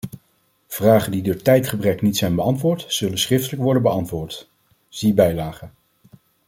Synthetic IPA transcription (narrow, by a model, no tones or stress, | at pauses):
v̥raːχəndidʊːɹtɛjtχəbrɛknitsɛjnbəɑntʋʊːɹtz̥ɵlənsχrɪftələkʋɔɹdənbəɑntʋʊːɹt | z̥ibɛjlaːχən